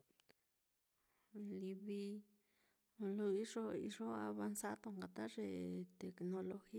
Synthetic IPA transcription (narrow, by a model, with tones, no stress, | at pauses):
li˧βi˧ | lo˧i˦ʐo˦ḭ˧ʐo˦a̰˧βa˧nsa˦t̪o˧ŋɡa˨t̪a˦ʐe˧t̪e˨kno˧lo˧xi˦